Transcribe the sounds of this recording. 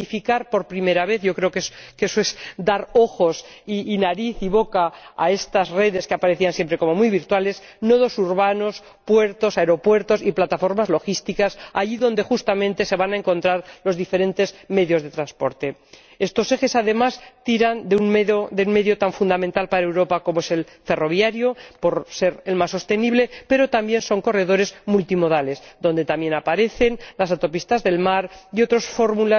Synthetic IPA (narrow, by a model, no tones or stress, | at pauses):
ifikaɾpo̞ɾpɾime̞ɾaβ̞eθʝokɾeokekesoesd̪aɾo̞xo̞s | iːnaɾiθiβo̞kaa̰e̞st̪asre̞ðe̞skeapaɾe̞θiansjempɾe̞ko̞momujβiɾt̪wale̞s | noðo̞suɾβano̞s | pwe̞ɾt̪o̞saeɾo̞pwe̞ɾt̪o̞siplat̪afo̞ɾmazlo̞xist̪ikasa̰ʝiðond̪exust̪amẽ̞nt̪e̞se̞βanaeŋko̞nt̪ɾaɾlo̞zðife̞ɾẽ̞nt̪e̞zme̞ðjo̞zðe̞t̪ɾanspo̞̰ɾt̪e̞ | e̞st̪o̞se̞xe̞saðe̞mast̪iɾand̪euŋmeðod̪eunme̞ðjo̞t̪aɱfund̪amẽnt̪alpaɾaewɾo̞pako̞moe̞se̞lfe̞ro̞β̞jaɾjopo̞ɾse̞ɾelmasːo̞st̪e̞niβle̞pe̞ɾo̞t̪ambje̞nso̞ŋko̞re̞ðo̞ɾe̞zmult̪imo̞ðale̞sd̪o̞nd̪e̞t̪amje̞napaɾe̞θe̞nlasat̪o̞pist̪azðe̞lmaɾio̞t̪ɾosfo̞ɾmula